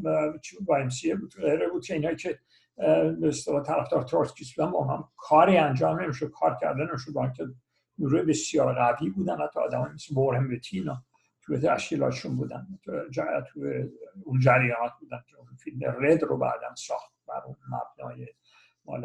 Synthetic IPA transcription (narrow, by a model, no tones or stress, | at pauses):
t͡ʃʰvɒemsiebuːd̪ɣejɾebuːd̪̚kʰeiːnɒːjicʰe | beːst̪elɒːt̪ʰæɾæft̪ɒːɾt̪ʰoɾskʰʲisbuːd̪ænbæunhɒ̰mkʰɒːɾiːænd͡ʒɒːmne̞miʃod̪̚kʰɒːɾcʰæ̰ɾd̪ene̞miʃod̪bæɾinkʲʰe | uɾujebe̞sijɒːɾɣæviːbuːd̪ænhæt̪ʰːɒ̰ːd̪æmɒːjimiseboɾembet̪ʰiːnɒ | t̪ʰujet̪ʰæ̰ʃkʲilɒ̰ːt̪ʰeʃunbuːd̪æ̰nʰd͡ʒæt̪ʰueund͡ʒæɾjɒːnɒt̪̚buːd̪ænkʲʰeunfilmḛred̪robæ̰ːd̪æ̰nsɒːxt̪̚bæ̰ɾunmæ̰b̥nɒ̰ːje | mɒ̰ːle